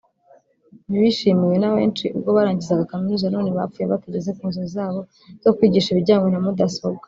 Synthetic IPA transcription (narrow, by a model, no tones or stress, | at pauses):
niβiʃimiwe̞nawe̞̰ːnt͡ʃiʔubɡo̞βaɾaːɲɟizaɡakaminuːzano̞ːneβa̰fuːjeβatuɟe̞ze̞kuːnzoizaːβo̞ | z̥o̞kwiːɟiʃiβiɟaːŋɡwo̞namudaso̞bɡa